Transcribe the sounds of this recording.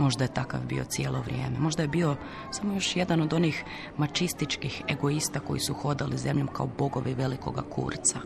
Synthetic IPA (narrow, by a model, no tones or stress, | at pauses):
mo̞ʒd̪aje̞t̪aka̰vbḭo̞̰t̪sje̞ːlo̞ʋɾʲje̞̰ːme̞mo̞ʒd̪ajebio̞ | samo̞jo̞ʃje̞d̪ano̞d̪o̞niːx | mat͡ʃist̪it͡ʃkixe̞ɡo̞ist̪ako̞jisuxo̞d̪alize̞mʎomka̰obo̞ɡo̞ʋiʋe̞liko̞̰ɡakʰṵːɾt̪sa